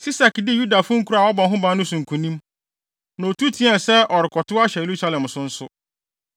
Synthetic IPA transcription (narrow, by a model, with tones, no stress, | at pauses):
si˦sa˨kdɪ˦ju˦da˨fʊ̃˦ŋ̩˦kʰu˦ɾa˨wɔ˦bɔ˨ɦʊ̃˦bã˦nʊ̃˦sʊ̃˨ŋ̩˨kʰũ˨nĩ˦m | nã˨o˨tʰu˦tʰi˦ɛ˨sɛ˦ʔɔ˨ɾɪ˨kʰɔ˨tʰʊ˦a˦ɕɛ˨e˨ɾu˦sa˦lɛ̃˨msʊ̃˦n̩˦sʊ˦